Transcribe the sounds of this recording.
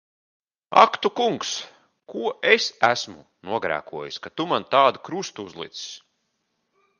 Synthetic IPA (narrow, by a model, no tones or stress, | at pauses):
a̰kt̪ukuŋks | kuɔʔesæsmṵ | nuɔɡɾæ̰ːkuɔjiskat̪umant̪aːd̪ukɾust̪uuzlˠḭt̪ss